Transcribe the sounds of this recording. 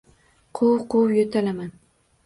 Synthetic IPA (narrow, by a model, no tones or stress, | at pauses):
qʰowqʰowjɵt̪ʰalaman